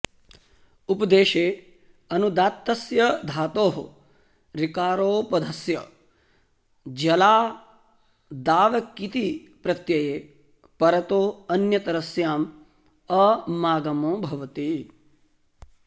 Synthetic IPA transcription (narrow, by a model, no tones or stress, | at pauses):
upɐd̪eːʃeː | ɐnud̪aːt̪ːɐsjɐd̪ʱaːt̪oːɦɐ | ɾikaːɾoːpɐd̪ʱɐsjɐ | d͡ʒɐlaː | d̪aːʋɐkːit̪i | pɾɐt̪jɐjeː | pɐɾɐt̪oːɐnjɐt̪ɐɾɐsjaːm | ɐmaːɡɐmõːbʱɐʋɐt̪i